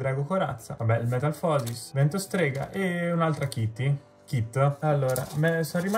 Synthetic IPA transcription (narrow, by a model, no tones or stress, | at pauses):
d̪ɾaɡokoɾa̰t̪sːa̰vabːɛilmet̪alfɔːzisvent̪ost̪ɾeːɡa̰ʔeunalt̪ɾakit̪ːi | kit̪ːoalːoːɾa̰mɛsɔrima